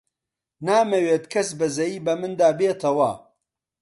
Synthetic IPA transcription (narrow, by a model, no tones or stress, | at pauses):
naːmɐweːt̪kʰɐsbɐzɐjiːbɐmɨnd̪aːbeːt̪ʰɐwɐ